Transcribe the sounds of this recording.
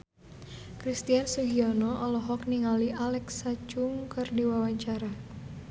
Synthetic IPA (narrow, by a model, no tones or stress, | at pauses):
kɾist̪iansuɦiɔnɔʔɔlɔɦɔkniŋaliʔalɛksat͡ʃuŋkɨrdiwawaɲt͡ʃaɾa